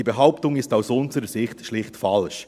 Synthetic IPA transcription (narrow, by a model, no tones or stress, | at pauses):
ibeɦaʊptʊŋɪstaʊsʊnzəɾəsɪχtʃlɪχtfɑlʃ